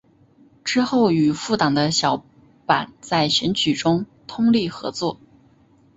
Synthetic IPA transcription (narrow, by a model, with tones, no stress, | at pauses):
ʈ͡ʂɻ̩˥xo˥˩ʊy˨˩fu˥˩t̪ɑ˨˩ŋd̪ə˦ɕjɑ˨˧˥ʊ | pa˨˩nt͡sa˥˩ɪɕɥɛ˧˥nt͡ɕʰy˨˩ʈ͡ʂʊ˥ŋt̪ʰʊ˥ŋli˥˩xɤ̰˧˥t͡swɔ˥˩